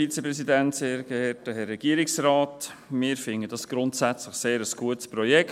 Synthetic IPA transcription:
it͡səpɾɛsidæntseːɾɡ̥əɛtəhɛrːɛɡ̥iːəɾɪksɾɑːt | mɪːɾfɪŋəd̥ɑsɡ̥ɾʊntsæt͡sləχseːɾəsɡ̥uətspɾɔjɛk

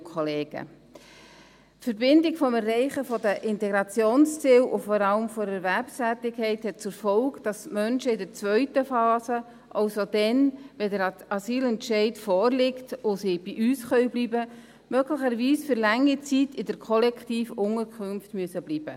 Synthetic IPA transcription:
kʰɔleːɡ̥ə̰ | tfəɾbɪndɪɡfɔmɛrːɛɪχəfɔdəʔɪntɛɡɾɑt͡sjoːnst͡sɪːlʔʊfɔɾɑləmfɔdəɾvæɾpsæːtɪkʰhɛɪthɛt̚t͡suɾfɔʊkd̥ɑsmœnʃəɪdəɾt͡svœʏtəfɑːsə | ʔɑʊsod̥ɛnʋɛdəɾɑsiːlɛntʃɛɪtfɔːɾlɪktʊsib̥iʔyːsχœʏbliːbə | mœɡləχəɾviːsfʏɾlæŋit͡sitɪdəɾkʰɔlɛktiːfʊŋəɾkχʏnftmyəsəbliːb̥ə̰

